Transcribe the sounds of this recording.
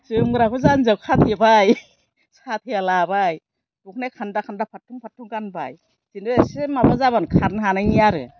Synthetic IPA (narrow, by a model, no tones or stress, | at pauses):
zɯmɡɾakʰɔzanzawkʰatʰebaj | sat̚ʰealabaj | duk̚nekʰandakʰandapʰatʰuŋpʰatʰːuŋɡanba̰j | z̥indɯesmabazabankʰaɾnʰanaŋijaɾɯ̰